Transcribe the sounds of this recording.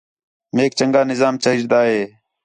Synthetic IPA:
meːk̚t͡ʃəŋɡaːnɪzaːmt͡ʃəɦɪd͡ʒd̪aːɦeː

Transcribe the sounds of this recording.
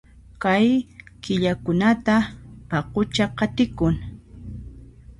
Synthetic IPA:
kajkɪʎakʊnat̪apɑqʊt͡ʃaqɑt̪ɪkʊŋ

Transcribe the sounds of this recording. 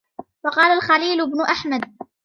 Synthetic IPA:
fɑqɑːlalxaliːlʊbnʊʔaħmad̪̚

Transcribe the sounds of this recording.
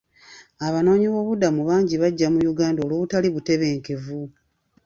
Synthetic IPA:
aβano̞ːɲiβo̞ːβudamuβaːɲɟiβaɟːamujuɡaːndoːloβutaliβute̞βe̞ːŋke̞vu

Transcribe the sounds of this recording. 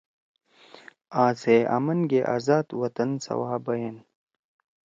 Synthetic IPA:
aːzeːʔa̰mɐnɡeʔa̰ːzaːt̪wɐt̪ɐnsɐ̰waːbɐjɐn

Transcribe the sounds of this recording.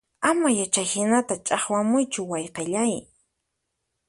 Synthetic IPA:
amajat͡ʃajhɪnat̪at͡ʃʼɑχwamʊjt͡ʃʊwɑjqeʎaj

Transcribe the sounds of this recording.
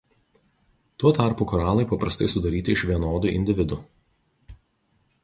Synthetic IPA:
t̪uɔt̪ɑˑɾpuːkɔɾɑːlˠɐɪpɐpɾɐst̪ɐɪsʊd̪ɐɾʲiːt̪ʲɪɪʃʋʲiɛnoːd̪uˑʔɪ̰nʲd̪ʲɪʋʲɪd̪ʊ

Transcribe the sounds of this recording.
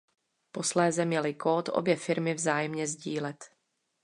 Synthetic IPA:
po̞slɛːzɛmɲɛlɪkoːt̪ʔo̰bjɛfɪɾmɪvzaːjɛmɲɛzɟiːlɛt̪

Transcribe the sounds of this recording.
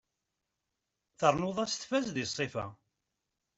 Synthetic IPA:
θəɾˤnʊðˤæst̪fæzðisˤːefæ̰

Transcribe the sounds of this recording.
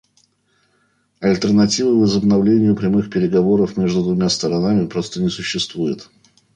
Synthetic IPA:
ɐlʲt̪ərnɐtʲivɨvəzəbnɐvlʲenʲɪjʊpɾʲɪmɨxpʲɪɾʲɪɡɐvo̞ɾəfmʲe̞ʐd̪ʊd̪vʊmʲast̪əɾɐnamʲɪpɾo̞st̪ənʲɪsʊɕːɪst̪vujɪt̪

